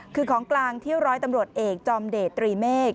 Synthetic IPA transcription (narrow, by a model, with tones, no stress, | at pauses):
kʰɯː˧kʰɔː˩˦ŋklaː˧ŋt̪ʰi˥˩əwɾɔː˦˥jt̪a˧mɾu˨˩ət̪̚ʔeː˨˩k̚t͡ɕɔː˧mdeː˨˩t̪ːɾiː˧meː˥˩k̚